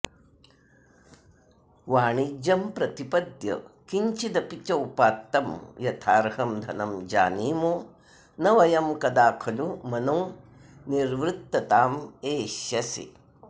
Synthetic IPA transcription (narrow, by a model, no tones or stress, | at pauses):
ʋaːɳid͡ʒɐmpɾɐt̪ipɐd̪jɐ̰kiɲt͡ʃid̪ɐpit͡ʃɐwpaːt̪ːɐmjɐt̪ʰaːɾhɐmd̪ʱɐnɐmd͡ʒa̰ːniːmoː | nɐʋɐjɐmkɐd̪aːkʰɐlumɐnɐw | niɾʋɾut̪ːɐt̪aːmeːʃɐsḭ